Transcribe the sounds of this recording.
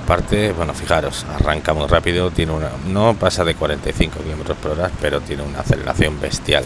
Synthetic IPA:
paɾt̪e̞βwe̞nofixaɾo̞sa̰raŋkamwirapiðot̪je̞neunano̞pasaðe̞kwaɾe̞nt̪ajθiŋko̞kilome̞t̪ɾo̞spoɾoɾaspe̞ɾo̞t̪je̞neuna̰θe̞le̞ɾa̰θjo̞mbe̞st̪ja̰l

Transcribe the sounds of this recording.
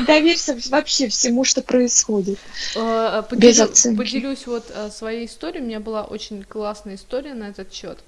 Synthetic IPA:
d̪ɐvʲeɾʲsʲəvɐpɕːe̞fsʲɪmuʂt̪o̞pɾəɪsxo̞dʲɪt̪̚ | pəbʲɪzɐt̪sɛnədʲɪlʲusʲvo̞t̪əsvɐjeɪst̪o̞ɾʲɪjʊmʲɪnʲabɨlˠaʔo̰t͡ɕɪnʲklˠasnəjəɪst̪o̞ɾʲɪjənɐɛt̪ət̪ɕːo̞t̪

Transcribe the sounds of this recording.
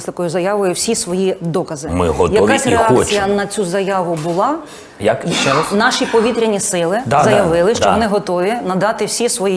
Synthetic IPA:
sʲt̪ɐkɔjʊzɐjɑʋɔjʊwsʲisʋɔjid̪ɔkɐzɪmɪ̰ɦɔ̰tjɐkasʲreɑkt͡sʲijɐnɐt͡sʲuzɐjɑʋʊbʊlˠɑ | jɐkɛnɑʃipɔʋʲit̪ɾʲɪnʲisɪlˠɪd̪zɐjɐʋɪlˠɪʃt͡ʃɔɔnɪɦɔt̪ɔʋʲinɐd̪ɑt̪ɪwsʲisʋɔji

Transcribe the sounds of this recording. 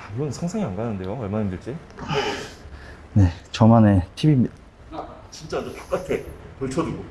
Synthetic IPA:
aiɡʌnsʰʌŋsʰaŋianɡanɯnde̞joʌɭmanaimdɯɭt͡ɕ͈i | ne̞t͡ɕʌmane̞tʰibimi | t͡ɕint͡ɕ͈and͡ʑet͈o̥k͈atʰepʌɭt͡ɕʰʌduɡo

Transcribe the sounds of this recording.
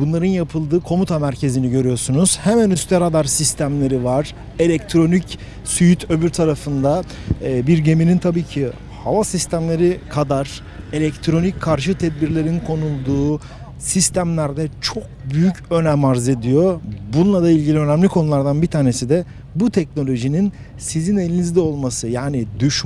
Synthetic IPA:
bunlˠaɾɯnjapʰɯlˠd̪ɯːkʰo̞mut̪ʰamæɾcʰe̞ziniɟø̞ɾyjoɾsunuz̥hɛmænyst̪ʰɛɾad̪aɾsist̪ʰæmlʲe̞ɾivaɾ̥ | e̞lʲɛc̚t̪ʰɾo̞nic | syjyt̪ʰø̞byɾt̪ʰaɾafɯnd̪aːbiɾɟe̞minint̪ʰabiːcʰi | havasist̪ʰæmlʲe̞ɾikʰad̪aɾ̥ | e̞lʲɛct̪ʰɾo̞nickʰːaɾʃ̬ɯt̪ʰɛd̪̚biɾlʲe̞ɾinkʰo̞nulˠd̪uː | sist̪ʰæmlʲæɾd̪ɛt͡ʃʰo̞k̚byjycø̞nɛmaɾze̞d̪ijo̞bunlˠad̪ailʲɟilʲiø̞næmlʲikʰo̞nulˠaɾd̪anbit̪ʰaːne̞sid̪ɛ | but̪ʰɛc̚no̞lʲo̞ʒinin | sizine̞lʲinizd̪ɛo̞lˠmasɯjaːnid̪yʃ

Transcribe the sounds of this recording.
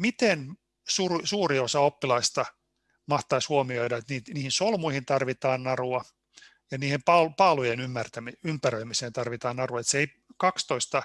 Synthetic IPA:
mit̪en | sursuːriosɑopːilɑist̪ɑ | mɑht̪ɑishuomioidɑet̪niːt̪niːhinsolmuihint̪ɑrʋit̪ɑːnnɑruɑ | jɑniːhempɑlpɑːlujenymːært̪æmiympærøimiseːnt̪ɑrʋit̪ɑːnnɑruɑet̪seei | kɑkst̪oist̪ɑ

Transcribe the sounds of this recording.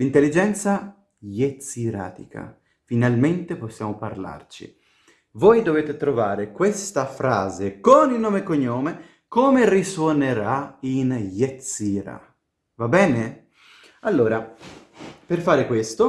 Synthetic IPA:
lint̪elːid͡ʒɛnt̪sa | jet̪siɾa̰ːt̪ḭkʰa̰ | finalment̪eposːjaːmoparla̰rt͡ʃḭ | vojd̪oveːt̪et̪ɾovaːɾekwest̪afɾaːzekonilnoːmekoɲːoːme | koːmeriswoneɾainjet̪siɾa̰ | vabɛːne | alːoːɾa | perfaːɾekwest̪o

